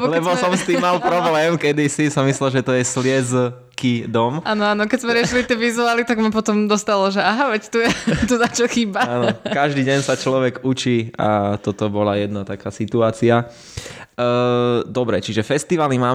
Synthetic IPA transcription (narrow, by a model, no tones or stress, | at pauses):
blɛbɔsɔmst̪iːmːalpɾɔblɛːmkɛd̪isisamislɛlʒɛt̪ɔjɛslɪɛd͡z | kid̪ɔmʔaːnɔaːnɔkɛzmɛɾɪɛʃilit̪ɪɛʋizuaːlit̪aɡmapɔt̪ɔmd̪ɔst̪alɔʒɛaɦaʋɛct̪ujɛt̪uzat͡ʃalxiːbaanɔkaʒd̪iːɟɛɲsat͡ʃlɔʋɛɡut͡ʃia̰t̪ɔt̪ɔbɔlajɛd̪nat̪akaːsit̪uaːt͡sia | d̪ɔbɾɛt͡ʃiʒɛfɛst̪iʋalimaː